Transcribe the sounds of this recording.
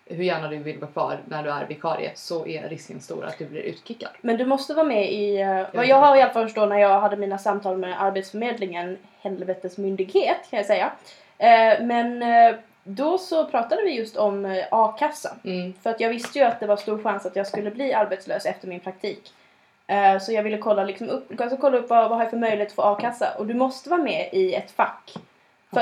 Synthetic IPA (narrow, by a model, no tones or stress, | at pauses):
hɵɾjæːɳad̪ɵvɪlvɑːkʰvɑ̰ːɾnæɖɵæɾvɪkʰɑ̰ːɾɪ̰ə̰sɔʔæ̰ɾɪskə̰nst̪ṵːɾa̰t̪̚d̪ɵblɪ̰ɾʔʉ̟̰ːt̪kʰɪkːad̪̥mɛnd̪ɵmɔst̪əvɑːmɛɪajɑːɡɦaɾɪalafalfəʂʈoːnæɾjɑːɡɦad̪ːəmiːnasamt̪ʰɑːlmɛʔaɾbɛt̪sfœɾmeːd̪lɪŋən | hɛlvɛt̪əsmʏnd̪ɪɡheːt̪kʰanjasɛjːa | mɛn | d̪ɔsɔpʰɾɑːt̪ad̪əvɪjɵst̪ʰɔmɑːkʰasːafœɾat̪jɑːɡvɪst̪əjɵat̪̚d̪ɛvaɾst̪uːɾɧansat̪jɑːɡskɵlːəbliːaɾbɛt̪slø̰ːsɛft̪əɾmɪnpʰɾak̚t̪ʰiːk | sɔjɑːɡvɪlːəkʰɔlːalɪksɔmɵpːksɔkʰɔlːaɵpːvavahaɾjafœɾmœjlɪhet̪ɔ̥foːɑːkʰasːa̰ʔɔd̪ɵmɔst̪əvɑːɾmɛʔɪɛt̪fakː | fœ